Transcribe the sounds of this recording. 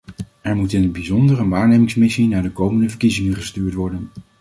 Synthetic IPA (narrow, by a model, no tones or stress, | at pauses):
ɛɹmutɪnənbizɔndərənʋaːɹnejmɪŋsmɪsinaːɹdəkowməndəvəɹkizɪŋənχəstyːɹtʋɔɹdən